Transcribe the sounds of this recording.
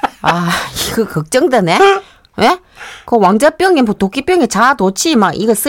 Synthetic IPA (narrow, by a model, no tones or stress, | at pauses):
aiɡɯkʌk̚t͡ɕ͈ʌŋdene | we | kɯwaŋd͡ʑap͈jʌŋepotokʰip͈jʌŋet͡ɕatot͡ɕʰimaɡʔḭɡʌs͈ɯ